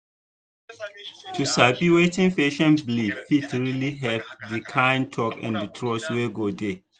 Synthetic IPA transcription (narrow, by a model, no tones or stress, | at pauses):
tʰusabiwetĩnfeʃɔ̃nblifitɹiliɦɛvdikʰãɪ̃ntʰɔkɛ̰̃ndətʰɹɔsweɡode